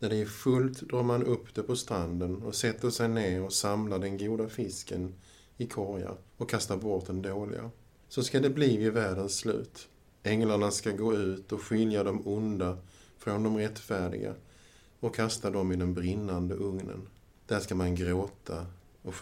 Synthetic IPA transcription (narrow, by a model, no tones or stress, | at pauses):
næɖɛæfɵlt̪d̪ɾɑːɾmanɵpːd̪ɛpʰɔst̪ɾand̪ənɔsɛt̪ːəʂɛjneːɾɔsamlad̪ɛnɡuːd̪afɪskən | ɪkʰɔɾja̰ɾɔkʰːast̪abɔʈd̪ɛnd̪oːlɪ̰ɡa̰ | sɔskad̪ɛbliːvɪvæːɖənsːlʉ̟̰ːt̪ | ɛŋlaɳaskaɡoːʉ̟ːt̪ɔkɧɪljad̪ɔmʊnd̪afɾɔnd̪ɔmɾɛt̪ːfæːɖɪ̰ɡa̰ | ɔkʰːast̪ad̪ɔmɪd̪ɛnbɾɪnːand̪əʔɵŋnə̰n | d̪̥æʂkamanɡɾoːt̪ʰa | ɔ